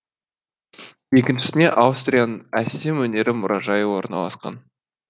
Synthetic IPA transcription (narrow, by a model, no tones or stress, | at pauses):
je̞kʲɪnʃɪ̥sɪne̞ʔɑwst̪rʲijanənæse̞mwɵne̞ɾɪmʊɾʔɑʒɑjəwo̞ɾnɑ̰lˠɑ̰sqɑ̰n